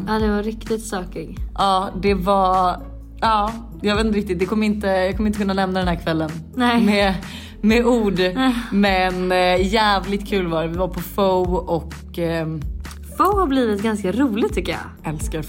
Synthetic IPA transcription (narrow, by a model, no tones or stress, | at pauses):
aːd̪ɛvaɾɪkt̪ɪt̪sɑːkɪɡʔɑːd̪ɛva | ɑː | jɑːɡveːt̪nɾɪk̚t̪ɪt̪̚d̪ɛkʰɔmːəɾɪnt̪əjɑɡkʰɔmːɾɪəkʰɵnːalɛmnad̪ɛnhæːɾkʰvɛlːənnɛmɛ | mɛuːɖmɛnjæːvlɪt̪kʰʉ̟ːlvɑːɾɛvɪvaɾpʰɔfoʔɔk | fəʊhabliːvɪt̪ɡanskaɾuːlɪɡt̪ʰʏkːəjɑ̰ | ɛlska